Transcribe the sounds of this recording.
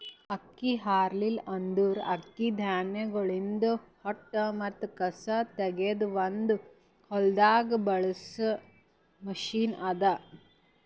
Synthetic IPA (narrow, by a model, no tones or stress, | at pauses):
ɐkːiɦaːɾlilɐnd̪uɾɐ̰kːid̪ʱjaːnjɐɡɐɭind̪ɐhɔʈːɐmɐt̪ːukɐsɐt̪ɛɡed̪uʋɐnd̪u | hɔld̪aːɡɐbɐɭɐsɐ | mɐʃiːnɐd̪ɐ